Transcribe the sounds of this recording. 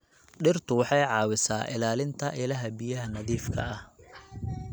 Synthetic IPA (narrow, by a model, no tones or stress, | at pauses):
ɖɪrt̪ʰʊwɑħɑjʕɑːwɪsaːʔɪ̰laːlɪnt̪ʰɐʔɪlɐɦɐbijɐɦɐnɐðiːfkʰɐ̰ɐh